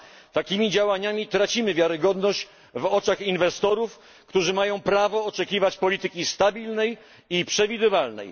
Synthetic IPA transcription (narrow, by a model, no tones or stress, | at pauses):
t̪akʲimʲid͡ʑawaɲamʲit̪ɾat͡ɕimɘvʲjaɾɘɡɔd̪nɔɕt͡ɕ | vɔt͡ʂaxinvɛst̪ɔɾuf | kt̪uʐɘmajɔ̃w̃pɾavɔːt͡ʂɛkʲivat͡ɕpɔlʲit̪ɘkʲist̪abʲilnɛj | ipʂɛvʲid̪ɘvalnɛ̰j